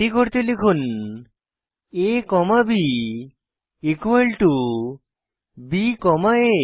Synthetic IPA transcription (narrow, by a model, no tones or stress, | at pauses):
ikoɾt̪elekʰun | ekɔmabi | ikuelʈu | bikɔmae